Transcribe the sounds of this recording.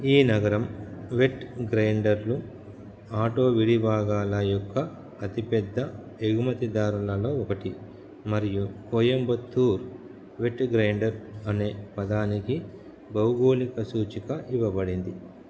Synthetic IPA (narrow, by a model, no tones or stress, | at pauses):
iːnɐɡɐɾɐmʋeʈɡɾɐjɳɖɐɾlu | aːʈo̞ːʋiɽibʱaːɡaːlɐjɔkːɐː | t̪ipɛd̪ːɐ | eɡumɐt̪id̪aːɾulɐlo̞ːɔkɐʈi | mɐɾijukoːjɐmbɐt̪ːuːɾ | ʋe̞ʈɡɾɐjɳɖɐɾɐne̞ːpɐd̪aːniki | bɐwɡoːlikɐsuːt͡ʃikɐʔiʋɐbɐɽind̪i